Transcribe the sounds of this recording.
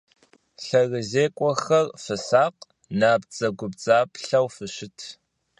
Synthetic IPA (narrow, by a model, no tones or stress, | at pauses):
ɬɐɣɨzeːkʷʼɔxɐrfɨsaːq | naːpt͡sʼɐɡʷʊp̚t͡sʼaːpʰɬɐwfɨɕɪtʰ